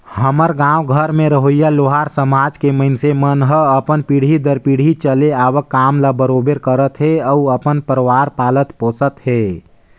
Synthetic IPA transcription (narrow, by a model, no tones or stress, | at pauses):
həməɾɡãwɡʱəɾmẽɾəɦojaloɦaɾsəmad͡ʒkeməɪnsemənɦəəpənpiɽ̤id̪əɾpiɽ̤it͡ʃəleabəkːamlabəɾobeɾkəɾət̪ɦeəuəpənpəɾəʋaɾpalət̪posət̪ɦe